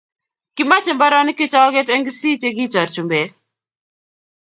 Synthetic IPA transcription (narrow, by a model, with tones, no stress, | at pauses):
kɪ˦ma˦t͡ʃɪ˨mba˦ɾɔ˦n˦kɪ˦t͡ʃɔ˦ɡe˦tɛ˦ŋɡsi˦t͡ʃe˦ɡi˦t͡ʃɔ˨ɾt͡ʃu˨mbe˨